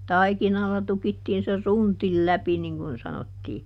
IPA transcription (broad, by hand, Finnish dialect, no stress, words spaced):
tɑikinɑlːɑ tukitːiːn se suntil læpi niŋ kun sɑnotːiː